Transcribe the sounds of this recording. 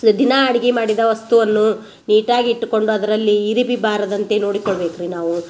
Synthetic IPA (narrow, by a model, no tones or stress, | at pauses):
d̪inɐːɽiɡimaːɽid̪ɐʋɐst̪uʋɐnːu | niːʈaːɡiːʈːuko̞ɳɖuɐd̪ɐɾɐlːiːɾibibaːɾɐd̪ɐnt̪e̞no̞ːɽikoɭɐbeːkɾinaːʋu